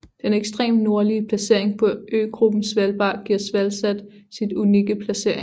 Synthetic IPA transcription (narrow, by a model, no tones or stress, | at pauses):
d̥eneɡ̥sd̥ʁḛːmno̝ɐliəpʰlæse̝ɐe̝ŋpʰɒ̽ʔø̰ːɡ̥ʁub̥n̩sʋælb̥ɑ̰̈ːɡ̥iɐ̰sʋælsæd̥ | sid̥uniɡ̥əpʰlæse̝ɐ̰eŋ